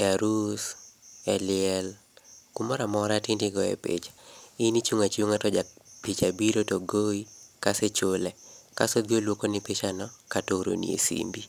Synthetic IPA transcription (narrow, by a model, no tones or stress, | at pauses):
aɾusɛlɪɛl | kumɔɾamɔɾatɪndiɡɔɛ̰pɪ̰t͡ʃḁinit͡ʃuŋat͡ʃuŋatɔd͡ʒapit͡ʃabiɾotoɡoikaset͡ʃolɛkasod̪jolwokonɪpɪt͡ʃanɔkatoɾo̰nḭḛsḭmbi